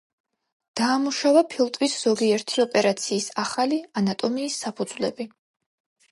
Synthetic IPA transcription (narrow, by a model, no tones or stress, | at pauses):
d̪̥aːmuʃavapʰilˠt̪ʼvisz̥ɔɡiɛɾt̪ʰiɔpʼɛɾat̪sʰiːsaχalianat̪ʼɔmiːsːapʰud̪z̥lɛbi